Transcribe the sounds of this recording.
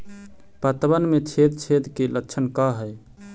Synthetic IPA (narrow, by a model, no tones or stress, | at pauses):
pət̪bənmet͡ʃʰed̪̚t͡ʃʰed̪keləkːt͡ʃʰənkaɦəj